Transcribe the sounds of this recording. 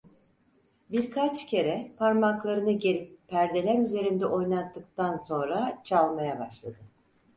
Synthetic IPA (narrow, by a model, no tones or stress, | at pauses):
biɾkʰat͡ʃcʰe̞ɾɛpʰaɾmaklˠaɾɯnɯɟeɾippːæɾd̪e̞lʲæɾyze̞ɾind̪ɛʔo̞jnˠat̪ːɯk̚t̪anso̞nɾat͡ʃʰalˠmajabaʃlˠad̪ɯ